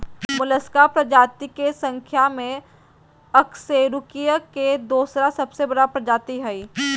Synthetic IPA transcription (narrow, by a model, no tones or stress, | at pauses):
mʊləskaːpɾɐd͡ʒaːt̪ikesɐ̃ŋkʰjamẽ | ɐkseːɾʊkijəked̪oːsɾasɐbsebɐɽapɾɐd͡ʒaːt̪iɦɛiː